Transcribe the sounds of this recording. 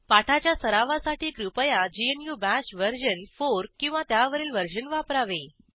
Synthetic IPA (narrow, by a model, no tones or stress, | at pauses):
paʈʰat͡ɕjasəɾaʋasaʈʰiːkɾupəjad͡ʑienjuːbæɕʋəɾɕənfoɾkĩw̃ʋat̪jaʋəɾiːlʋəɾd͡ʑənʋapɾaʋe